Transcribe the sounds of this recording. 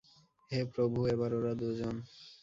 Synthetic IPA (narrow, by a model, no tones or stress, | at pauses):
epɾobʱuebaɾoɾad̪ud͡ʑon